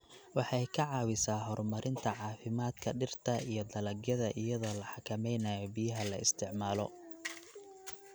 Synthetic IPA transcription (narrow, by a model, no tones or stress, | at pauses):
wɑħɑjkʰɐʕɑːwɪsaːɦɔrmɐɾʔɪnt̪ʰɐʕɑːfɪmaːd̪kʰɐɖɪrt̪ʰɐijɞd̪ɐlɐɡjɐðɐʔɪjɐðɔːlɐħɑkʰɐmɛjnaːjɔbijɐɦɐlɐɪ̰st̪ʰɪʕmaːlɔ̰